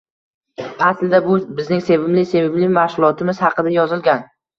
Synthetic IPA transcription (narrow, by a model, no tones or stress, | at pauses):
aslɪd̪abʊbɪznɪŋse̞vɪmlɪse̞vɪblɪmahʃʊlˠɒt̪ʰɪmɪz̥hɑqʰɨd̪ajɒzɪlɡʲan